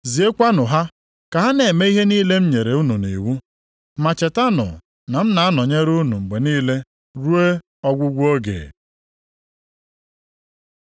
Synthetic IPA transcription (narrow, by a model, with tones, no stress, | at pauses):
zi˨e˦kʷa˦nʊ˨ɦa˦ | ka˨ɦa˦ne˨me˦i˦ɦe˦niː˦le˦m̩˦ɲe˨ɾe˨u˦nu˨nḭ˨wu˦ | ma˨t͡ʃe˨ta˦nʊ̰˨ | na˨m̩˦na˨a˦nɔ˨ɲe˦ɾu˦nu˨ŋ͡m̩˨ɡ͡be˨niː˦le˦ | ɾu˦e˦ | ɔ˦ɡʷʊ˦ɡʷu˦o˦ɡḛː˨